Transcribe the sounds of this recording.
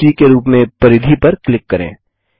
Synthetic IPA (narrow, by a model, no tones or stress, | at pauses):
ikeɾuːpmẽpɐɾɪd̪ʱipɐɾklɪkːɐɾḛ̃ː